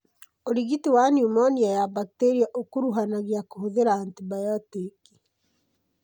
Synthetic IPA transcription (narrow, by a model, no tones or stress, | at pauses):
oɾiɣitiwanjumɔniajabakiteɾiaʔokoɾuɦanaɣiakohoðeɾaːntibajɔtiki̥